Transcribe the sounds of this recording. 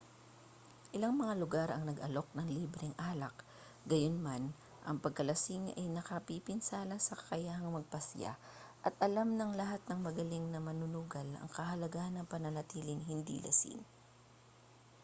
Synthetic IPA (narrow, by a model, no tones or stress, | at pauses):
ʔɪlaŋmɐŋalʊɡaɾɐŋnɐɡɐlo̞k̚nɐŋliːbɾɛŋʔaːlɐk | ɡɐjonman | ʔɐŋpɐɡ̚kɐlɐsɪŋʔɐ̰jnɐkɐpipɪnsaːlɐsɐkɐ̥kɐjaːhɐŋmɐɡ̚pɐsja̰ʔɐt̪ʔɐlamnɐŋlɐɦat̪̚nɐŋmɐɡɐlɪŋnɐmɐnʊnuːɡɐlɐ̰ŋkɐhɐlɐɡaʔnɐŋpɐnɐlɐt̪iːlɪŋɦɪnd̪ḭːlɐ̰sḭŋ